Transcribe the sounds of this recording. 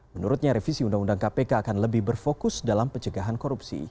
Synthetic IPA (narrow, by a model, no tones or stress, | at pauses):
mənuɾut̪̚ɲaɾefisiundaŋundaŋkapekaːkanləbɪhbərfokʊsdalampəɲt͡ʃəɡaɦankoɾupsḭ